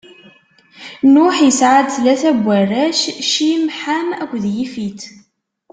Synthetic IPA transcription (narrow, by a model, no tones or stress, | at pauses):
nʊħjəsʕad̪θlæθæbʷːæræʃʃimħamækʷːðjifit̪